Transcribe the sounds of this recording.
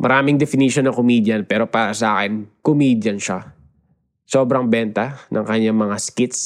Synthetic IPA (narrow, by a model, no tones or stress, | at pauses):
mʔɐ̰ɾaːmɪŋd̪ɛfɪniʃonːɐkʊmiːd̪jɐnpɛːɾo̞paːɾɐsɐʔa̰ːkɛnkʊmiːd̪jɐnʃa | so̞ːbɾɐŋbɛnt̪ɐnɐ̰ŋkɐɲːaŋmɐŋaskɪt̪s